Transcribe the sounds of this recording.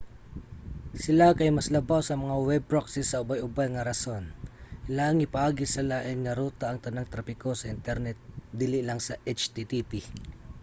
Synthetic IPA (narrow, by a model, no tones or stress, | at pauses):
sɪlakɐjmɐslɐbawsɐmɐŋawɛb̚ɾoksɪsːɐʊbajʔʊbajŋɐɾɐsonlaŋɪpɐʔaːɡɪsɪlaʔɐjnɐɾuːt̪aʔɐŋt̪ɐnaŋt̪ɾapɪko̞sɐʔɪnt̪ɛɾnɛt̪̚d̪ilɪlaŋsɐʔɛt͡ʃt̪it̪ipi